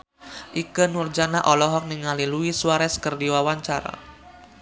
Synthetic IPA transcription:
ʔikənurd͡ʒanaʔɔlɔɦɔk̚niŋaliluisuwaɾɛskərdiwawaɲt͡ʃaɾa̰

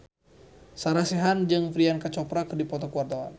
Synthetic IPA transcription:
saɾasɛɦand͡ʒɨŋfɾiankat͡ʃɔpɾakdipɔt̪ɔkuwart̪awa̰n

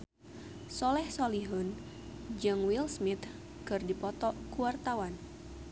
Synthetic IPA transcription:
sɔlɛhsɔliɦʊn | d͡ʒɨŋwilsmit̪ | kɨrdipɔt̪ɔkuwart̪awan

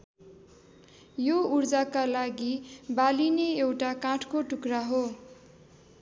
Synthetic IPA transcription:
jourd͡zakalaɡibalineewʈakãʈʰkoʈukraɦo

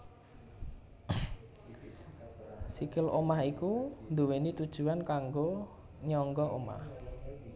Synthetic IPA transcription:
sikɪlʔomahikund̪uwenit̪ud̥ʒ̥ṳankaŋɡo | ɲɔŋɡɔʔo̰ma̰h

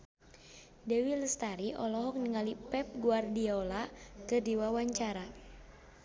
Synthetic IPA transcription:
dɛwiləst̪aɾiʔɔ̰lɔɦɔk̚niŋalipɛp̚ɡuardiɔlakədiwawaɲt͡ʃaɾa

